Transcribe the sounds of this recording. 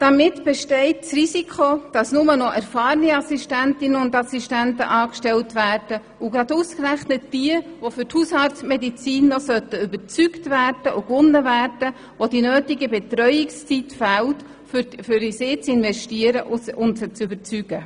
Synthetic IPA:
d̥ɑmɪtb̥ɛʃtɛɪt̚t͡srisikʰχod̥ɑsnʊmənɔʔæɾfɑːɾniɑsiʃtæntɪnəʊndɑsiʃtæntə̰ʔɑːkʃtɛltʋæːrd̥ə | ʊɡɾɑduːskræχnət̚d̥iəʋofʏrthushɑtsmɛdit͡siːnːosœt̪əybəɾt͡syktvæːrd̥əʔʊkʋʊnːəvæːrd̥ə | ʋodinøːtɪɡəbɛtɾœʏɪkst͡sitfælt | ffʏɾisɪːt͡sɪnvɛʃtiəɾəʔʊʊnst͡sʏbəɾt͡syɡ̥ə

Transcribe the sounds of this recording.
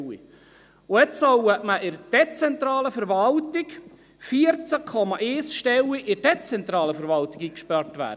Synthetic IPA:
ḭ | ʊjɛt͡ssɔwɛʔməʔɪɾd̥ɛt͡sɛnt̪ɾɑːləfəɾʋɑltɪk | fiəɾt͡sækʰɔmɑʔeːsʃtɛwiʔɪd̥ɛt͡sɛnt̪ɾɑːləfəɾʋɑltɪɡiːkʃpɑɾtʋæ̰ːdə

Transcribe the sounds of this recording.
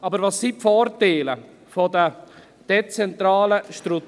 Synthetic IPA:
ɑːbəɾvɑsipfɔːrteɪlə | fɔd̪ə | d̪̥ɛt͡sɛnt̪ɾɑːləʃtɾu

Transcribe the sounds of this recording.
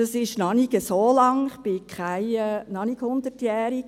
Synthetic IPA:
ɑsɪʃnɑniɡəsoːlɑŋɪχb̥ɪkχaɪɛːnɑniɡ̥hʊnd̪ətjɛːɾik̚

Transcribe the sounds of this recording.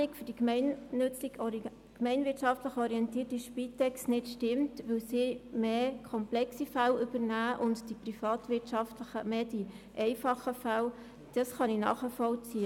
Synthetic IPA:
nɪkfʏd̥ikmɛnnʏt͡sɪɡ | kmɛɪnʋɪtʃɑftləχɔɾiɛntiːrtiʃpitɛkstnɪtʃtɪmtʋɵwsimeːkʰɔmplɛksifælʏbəɾnæːʔʊntd̥iprifɑːtvʋɪtʃɑftləχəmeːd̥i | ʔɛɪfɑχəfæl | d̥ɑsχɑninɑ̰ːχəfɔlt͡siə

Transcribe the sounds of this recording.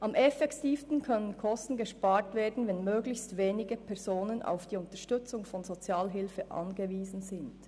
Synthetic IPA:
ʔɑmʔɛfɛktiːfstn̩kʰœnənkʰɔstn̩ɡəʃpaːɹtveːɐdn̩vɛnmøːɡlɪçstveːnɪɡəpʰɛʁz̥oːnənʔa̰ʊfd̥iːʊntəʃtʏt͡sʊŋfɔnzot͡sjaːlɦɪlfəʔɑ̰nɡəviːzn̩zɪnd

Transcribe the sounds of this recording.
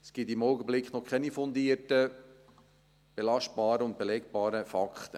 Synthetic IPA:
sɡ̥ɪt̪ɪmɔwɡəblɪkχnɔkʰχɛnifɔnd̪iːərtə | b̥elɑʃt̚b̥ɑːɾəʊnt̚b̥elɛkb̥ɑːɾəfɑkχt̪ə

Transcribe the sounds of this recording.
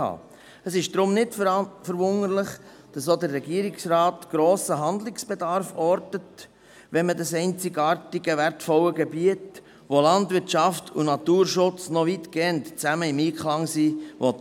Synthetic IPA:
ɑ̰ː | əsɪʃd̥ɾʊmnɪtfəɾvʊnəɾlɪχ | d̥ɑsod̪əɾːɛɡiəɾɪksrɑːt̪ɡ̥ɾoːsəɦɑnd̪lɪksb̥ɛdɑɾfɔɾdət | ʋɛnmədɑsɛɪnt͡sɪɡɑːɾtɪɡəʋæɾtfɔwəɡebiət | ʋolɑndvɪɾtt͡ʃɑftʰunɑt̪uːɾʃʊt͡snɔvit̪ɡ̥ɛntt͡sæməɪmiːkʰlɑŋsiːʋɔt

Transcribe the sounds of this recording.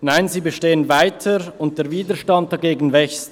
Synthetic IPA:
naɪnziːbəʃteːənvaɪtʰəɾʊnt̚d̥eːɐviːdəʃtɑnt̚d̥ɑɡeːɡn̩vɛçst

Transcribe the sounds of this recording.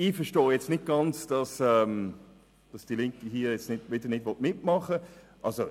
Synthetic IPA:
ifəʃtoːjɛt͡stnɪt̚ɡ̥ɑnt͡sd̥ɑsɛːm | d̥ɑsd̥ilɪŋkiɦiːjɛt͡stnɪdʋɪdənɪtvɔtmɪt̚mɑχə | ʔɑlso

